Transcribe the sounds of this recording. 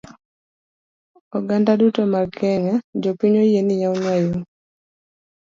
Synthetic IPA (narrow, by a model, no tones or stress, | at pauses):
ɔɡandadutomarkʰɛŋɛd͡ʒopiɲojenijauɲaju